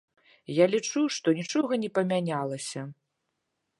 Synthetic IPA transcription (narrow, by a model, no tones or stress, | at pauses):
jalʲit͡ʂuʂt̪ɔnʲit͡ʂɔɣɐnʲɛpɐmʲanʲalˠɐsʲɐ